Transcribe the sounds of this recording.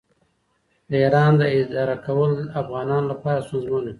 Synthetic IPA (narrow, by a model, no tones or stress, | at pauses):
d̪əiɾɑnd̪əɪd̪ɑɾakawəlafɣɑnɑnlapɑɾast̪unzmana